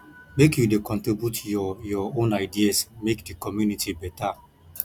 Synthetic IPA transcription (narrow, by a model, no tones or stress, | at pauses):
mekjudekɔ̃ntɹibjutʰjɔjɔõnaɪdiasmekdikɔmjunitʰibɛta